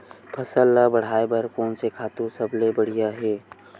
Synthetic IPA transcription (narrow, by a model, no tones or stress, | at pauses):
pʰəsəlːabəɽ̤aːebəɾkoːnsekʰaːt̪ũsəblebəɽ̤ijaɦeː